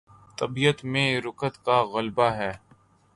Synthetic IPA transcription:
t̪ɐbijət̪mẽɾʊkət̪kaɣɐlbaɦɛː

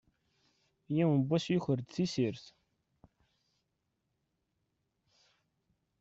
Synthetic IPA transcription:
jæwnbːæsjuçəɾd̪θisiɾθ

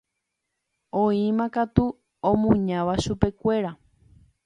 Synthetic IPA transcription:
õĩmãkat̪u | õmũɲãʋaʃupe̞kʷe̞ɾa

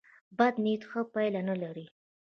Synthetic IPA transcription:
bad̪nit̪xəpajlanalaɾi

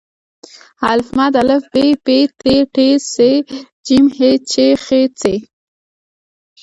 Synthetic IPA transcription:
halfmad̪alɪfbepeʈeʈese | d͡ʒimhet͡ʃexet͡se

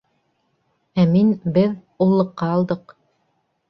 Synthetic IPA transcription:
æminbɘð | ulˠːɤ̆qːɑːlˠd̪ɤq

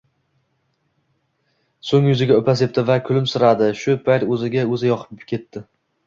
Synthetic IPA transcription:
soŋjʊzɪɡʲaopʰas̬e̞p̚t̪ɪvakʰʊlɪmsɪɾad̪ɪʃʊpʰajɾɵzɪɡʲaɵzɪjɒqʰɨ̥pkʲʰe̞t̪ːɪ

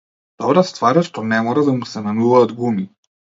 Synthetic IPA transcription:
d̪̥ɔbɾast̪vaɾaʃt̪ɔnɛmɔɾad̪amusɛnanuvaːd̪ɡumi

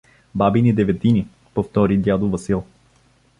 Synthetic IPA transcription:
babinid̪ɛvɛt̪ini | poft̪ɔɾid̪ʲjad̪ʊvɐsilˠ

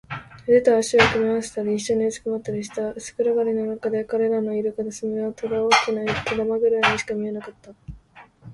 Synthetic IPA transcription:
d̪et̪aːɕiakɯmʲiβãsɨ̥t̪aɾʲiĩɕːo̞ɲiɯt͡sɨ̥kɯmat̪ːaɾʲiɕi̥t̪aɯsɨ̥kɯ̟ɾaɡaɾʲino̞nakad̪e̞kaɾe̞ɾano̞iɾɯkad̪esɨmiat̪od̪aoːkʲinat̪od̪amaɡɯ̟ɾaɲ̟iɕi̥kamʲie̞nakat̪ːa

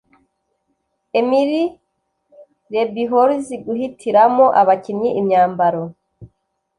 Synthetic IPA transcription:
emiɾi | ɾe̞biɦoɾziɡuhitʰiɾamoʔaβaciɲiʔimɲaːmbaɾo

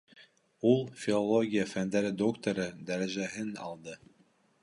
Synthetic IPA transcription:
ulˠfʲilˠolˠoɡʲijafænd̪æɾɘd̪okt̪oɾɤd̪æɾæʒæɦɘnɑ̰lˠd̪ɤ

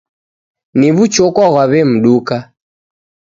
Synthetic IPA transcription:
niβut͡ʃɔkwaɣwaβɛm̩ɗuka

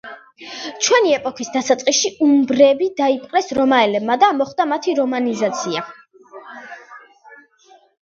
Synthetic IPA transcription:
t͡ʃʰwɛniɛpʼɔkʰisd̪asat̪sʼqʼiʃiumbɾɛbid̪aipʼqʼlɛsɾɔmaɛlɛbmad̪amɔχd̪amat̪ʰiɾɔmanizat̪sʰia

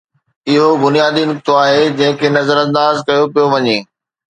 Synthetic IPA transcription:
ɪɦobʊnijaːd̪inʊk̚t̪oaːɦed͡ʑɐ̃ɦɪ̃kʰenɐzəɾɐ̃nd̪aːzkɐjopijoʋɐɲeː

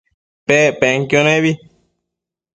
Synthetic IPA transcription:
pepeŋkionẽβi

